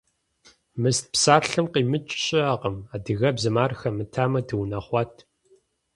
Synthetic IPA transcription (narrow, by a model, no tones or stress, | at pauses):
mɨst̚psaːɬɨmqiːmɨt͡ʃʼɕʼɪaqəmaːdɨɣɐbzɨmaːrxɐmɨtʰaːmɐdɨwnɐχʷɑtʰ